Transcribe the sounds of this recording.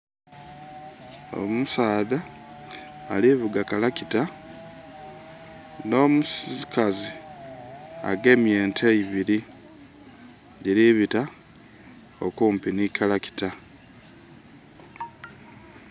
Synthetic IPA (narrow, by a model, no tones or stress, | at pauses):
o̰musaːða̰ː | liβuɡakalakita | noːmuskʰazi | a̰ɡe̞mje̞ːntʰeiβiɾi | ɟiɾiβita | okuːmpinikʰalaki̥ta